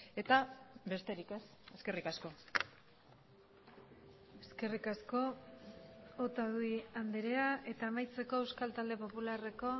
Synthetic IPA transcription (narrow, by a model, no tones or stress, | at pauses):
e̞t̪abe̞st̪e̞ɾikes | e̞ske̞rikasko̞ | eske̞rikasko̞ | ot̪aðuiand̪eɾeaʔe̞t̪aːmajt͡se̞ko̞e̞wskalt̪ald̪e̞po̞pulare̞ko̞